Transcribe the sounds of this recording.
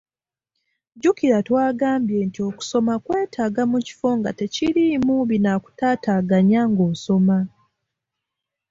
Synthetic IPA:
ɟukiɾatwaːɡaːmbje̞ːntio̞ku̥so̞makwe̞ːtʰaːɡamuci̥fo̞ŋɡa̰te̞cilimuβinaku̥taːtaːɡaɲaŋɡoːso̞ma

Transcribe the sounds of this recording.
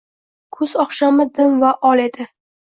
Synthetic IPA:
kʰʊz̥ɒχʃamɪd̪ɪnvaʔɒle̞d̪ɪ

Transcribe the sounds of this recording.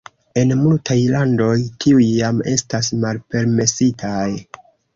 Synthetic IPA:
e̞nmultʰajlando̞jtʰiujːame̞̰stasmalpe̞ɾme̞sitʰaj

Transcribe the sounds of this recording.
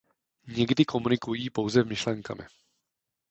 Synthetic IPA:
ɲɛɡdɪko̞munɪkujiːpo̞wzɛmɪʃlɛŋka̰mɪ̰

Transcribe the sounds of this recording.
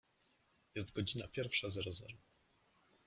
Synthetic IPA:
jɛst̪ɡɔd͡ʑinapʲjɛɾfʂazɛɾɔzɛ̰ɾɔ

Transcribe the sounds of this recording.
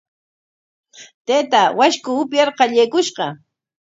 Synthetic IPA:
t̪eːt̪awaʃkʊːpjɑɾqɑʎejkʊʃɢɑ

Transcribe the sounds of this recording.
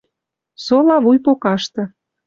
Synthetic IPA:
solɑβujpokɑʃt̪ɤ̆

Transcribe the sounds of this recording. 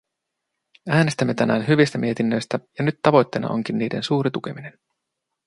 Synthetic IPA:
æːne̞st̪æmːe̞t̪ænæːnɦyʋist̪æmiet̪inːø̞jst̪æjɑnyt̪ːɑʋo̞jt̪ːe̞jnɑʔo̞̰ŋk̟inːiːde̞̰nsuːɾit̪uk̟e̞mine̞n

